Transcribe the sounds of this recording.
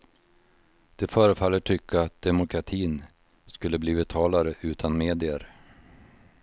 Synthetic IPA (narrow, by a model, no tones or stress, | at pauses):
d̪̥ɛfœːɾəfalːəʈʰʏkʰːaat̪̚d̪ɛmʊkʰɾat̪ʰiːn | skɵlːəbliːvɛt̪ʰɑːlaɾəʔʉ̟ːt̪ʰanmeːd̪ɪəɾ